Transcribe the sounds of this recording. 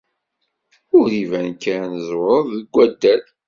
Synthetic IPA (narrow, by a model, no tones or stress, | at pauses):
ʊɾivænkːæɾnəzwəðəɡʷːæd̪ːæl